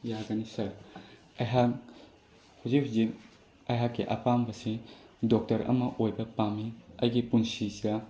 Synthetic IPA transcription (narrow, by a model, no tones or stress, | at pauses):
jaɡɐnisɐɾ | ɐjɦak̚ | huzipʰzip | ɐjɦakːiʔɐ̰pambɐsidɔk̚tɐɾɐ̰mɐʔojbɐpamiɐjɡipunsisija